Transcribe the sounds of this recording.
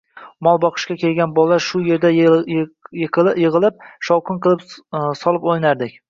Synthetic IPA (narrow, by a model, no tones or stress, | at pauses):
mɒlˠbɒqʰɨ̥ʃkʲakʲe̞lɡʲanbɒlaʃʊje̞ɾd̪a | qjɪʁɨlˠɪp̚ʃɒwqɨnqʰɨlˠɪpsɒlˠɪpojnaɾd̪ɪkʲ